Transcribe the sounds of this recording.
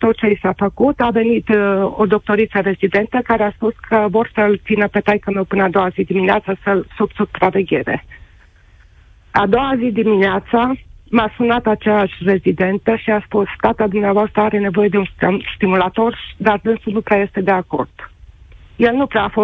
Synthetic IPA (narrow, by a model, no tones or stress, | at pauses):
t̪o̞t̪̚t͡ʃe̞jsafəkut̪ave̞nit̪od̪o̞k̚t̪o̞ɾit̪səɾe̞zid̪e̞nt̪əkaɾeaspuskʰəvo̞rsəlt̪sinəpe̞t̪ajkəmewpɨnəad̪o̞wazid̪imineat̪səsəlsubsupɾave̞ɡʲe̞ɾe̞̰ | ad̪o̞wazid̪imineat̪samasunat̪at͡ʃejaʃʲre̞zid̪e̞nt̪əʃiaspusst̪at̪ad̪umneavoast̪ɾəaɾe̞ne̞vo̞je̞d̪eunsst̪imulat̪o̞rd̪ard̪ɨnsunupɾeaje̞st̪e̞d̪e̞ako̞̰rd̪̥ | je̞lnupɾeaafo